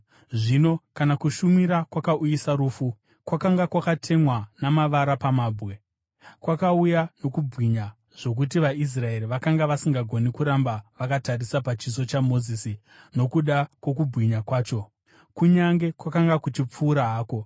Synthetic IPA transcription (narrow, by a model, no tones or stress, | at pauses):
ʐino̞kanakuʃumiɾakwakaʔujisaɾuːfu | kwakaŋɡakwakatʰe̞mwanamaʋaɾapamaːbɣe | kwakaujano̞kubʱwiɲa | ʐ̥o̞k̬ut̬iʋais̬rae̞ɾiʋakaŋɡaʋasiŋɡaɡʱo̞nikuɾambaʋakatarisapat͡ʃiso̞t͡ʃamo̞ziːsi | no̞kuɗakwo̞k̬ubɣiɲakwaːt͡ʃo̞ | kuɲaŋɡe̞kwakaŋɡakut͡ʃip͡fuːɾaɦaːko̞